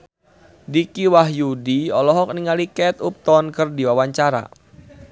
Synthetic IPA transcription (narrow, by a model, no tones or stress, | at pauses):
dikiwaɦjudiɔlɔɦɔk̚niŋalikɛt̪up̚t̪ɔnkɨrdiwawaɲt͡ʃaɾa̰